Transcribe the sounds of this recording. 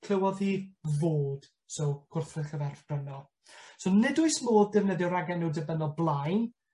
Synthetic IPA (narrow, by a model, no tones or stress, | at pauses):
kʰl̥əwɔðhiːvoːd̥ | sowkʰʊrθrɨðχəvɛrbrənɔ | sonɪdʊɨsmoːd̚dɨvnədjɔɾaɡɛnuːdəbənɔblˠajn